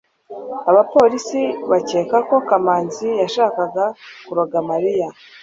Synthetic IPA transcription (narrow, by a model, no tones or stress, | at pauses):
aβapo̞ːɾisiβace̞ːkako̞kamaːnzijaʃaːkaɡakuɾaɡamaɾija